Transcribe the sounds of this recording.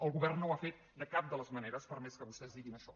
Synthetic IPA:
əlˠɣuβɛrnnːowafet̪̚d̪əkap̚d̪ələzməneɾəspəɾmɛskəβust̪ɛzd̪iɣinəʃɔ

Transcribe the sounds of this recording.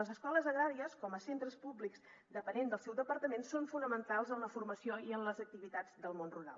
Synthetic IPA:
əzəskɔləzəɣɾaɾiəskɔməsent̪ɾəspublikz | d̪əpənend̪əlˠsɛwd̪əpəɾt̪əmensoɱfunəmənt̪alˠzənləfuɾrməsioiənləzək̚t̪iβit̪ad͡zd̪əlˠmonruɾa̰lˠ

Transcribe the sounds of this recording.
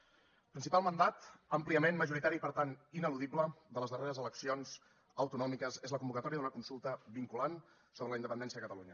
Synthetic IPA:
pɾinsipalˠmənd̪at̪əmpliəmenməʒuɾit̪aɾipəɾt̪aninəluðibləd̪ələzðəreɾəzələksionz | əwt̪unɔmikəzezləkumbukət̪ɔɾiəðunəkunsulˠt̪əβiŋkulan | soβɾələind̪əpənd̪ɛnsiəðəkət̪əluɲə

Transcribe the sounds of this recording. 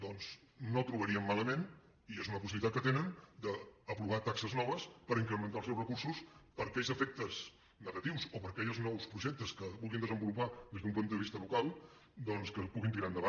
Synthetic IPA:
d̪ɔnz | not̪ɾuβəɾiəmːaləmen | iezunəpusiβlit̪at̪kət̪enənd̪əːpɾuβat̪aksəznɔβ̞əspəɾiŋkɾəmənt̪alˠsɛwrəkuɾsuspəɾkɛʎzəfɛk̚t̪əz | nəɣət̪iwsopəɾkɛʎznɔwspɾuʒɛk̚t̪əskəβulˠɣind̪əzəmbulupaðezðumpunt̪əəβist̪əβukalˠ | d̪ɔnskəpuɣint̪̬iɾaənd̪əβa

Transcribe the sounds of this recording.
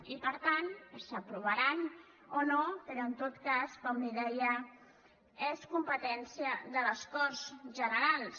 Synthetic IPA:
ipəɾt̪ansəpɾuβ̞əɾan | onopəɾoənt̪ot̪kaskɔmniðɛjə | eskumpət̪ɛnsijəðələskɔɾzʒənəɾalˠs

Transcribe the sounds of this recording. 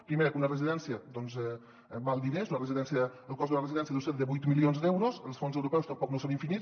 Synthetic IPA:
pɾimeɾəkunərəziðɛnsjəd̪ɔnzɛ | balˠd̪inezunərəziðɛnsjəəlˠkɔzðunərəziðɛnsiəðuset̪d̪əβujt̪milionzd̪ɛwɾozəlˠsfonzəwɾupɛwst̪əmpɔknosoniɱfini

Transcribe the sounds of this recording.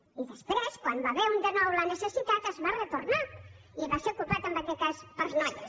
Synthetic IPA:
iðəspɾeskwanb̪aβeund̪enɔwlanesesit̪at̪əzβaret̪oɾna | iβaseokupat̪əmbakɛt̪̚kaspəɾznaʎ

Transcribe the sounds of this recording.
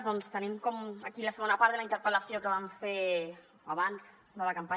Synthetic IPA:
ðɔnst̪ənimkɔmakilasəɣonapaɾðelaint̪əɾpəlasjokəβamfe | aβans | nalakampa

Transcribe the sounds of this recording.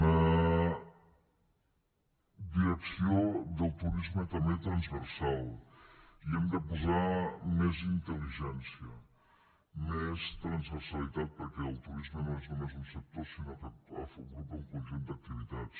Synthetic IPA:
nə | d̪iɾəksiod̪əlˠt̪uɾizmət̪əmet̪ɾɐnzβəɾsalˠ | iɛmd̪əpuzamɛzint̪əliʒɛnsiə | mɛst̪ɾɐnzβəɾsəlit̪at̪̚pəɾkɛəlˠt̪uɾizmənõeznumezunsək̚t̪osinokapə̰foɡɾupəŋkunʒund̪ək̚t̪iβit̪att͡s

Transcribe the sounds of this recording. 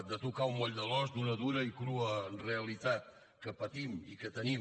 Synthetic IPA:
d̪ət̪ukaumɔʎd̪əlɔszd̪unəðuɾəikɾuənreəlit̪at̪̚ | kəpət̪imikət̪ənim

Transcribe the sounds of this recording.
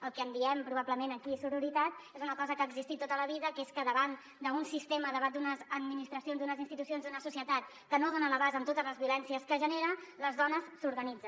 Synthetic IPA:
əlˠkəəmbiɛmpɾuβapləmenəkisuɾuɾit̪at̪ezunəkɔzəkaːɡzist̪it̪ːot̪ələβiðəkeskəðəβan | d̪əunsist̪eməðəβat̪̚d̪unəzəd̪minist̪ɾəsionzd̪unəzinst̪it̪usionzd̪unəsusjət̪at̪ | kənoðonələβazəmt̪ot̪əzləzβiulɛnsiəskəʒəneɾələzðɔnəsːuɾɣənid͡zə

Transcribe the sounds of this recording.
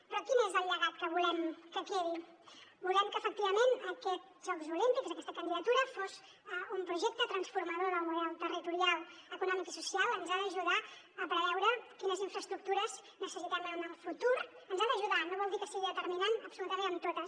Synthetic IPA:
pɾɔkinezəlːəɣat̪kəβulɛmkəkɛɾi | bulɛmkəːfək̚t̪iβəmenəkɛt̪ | ʒ̥ɔkzulint̪ikzəkɛst̪əkənd̪iðət̪uɾəfoz | əumpɾuʒɛk̚t̪ət̪ɾənsfuɾməðoɾəmuβɛlˠt̪ərit̪uɾialˠəkunɔmikisusialˠənzaðəːʒuða | əpɾəβɛwɾəkinəziɱfɾəst̪ɾuk̚t̪uɾəz | nəsəsit̪əmenəlˠfut̪uɾ | ənzaðəʒuðanoβɔlˠd̪ikəsiɣiðət̪ərminanəpsulut̪əmẽnəmt̪ot̪əs

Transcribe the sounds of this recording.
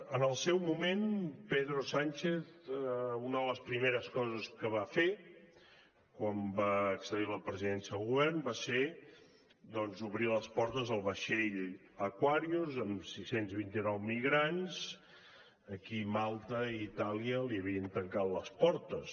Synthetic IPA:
ənəlˠsɛwmumenpeðɾosanʲt͡ʃeθ | unəðələspɾimeɾəskɔzəskəβafe | kwambaəksəðiləpɾəziðɛnsiəðəlˠɣuβɛrnbase | d̪ɔnzuβɾiləspɔɾt̪əzəlˠβəʃeʎ | əkwaɾiuzəmsisenzβint̪inɔwmiɣɾanz | əkimalˠt̪əiːt̪aliəliəβiənt̪əŋkat̪ləspɔɾt̪əs

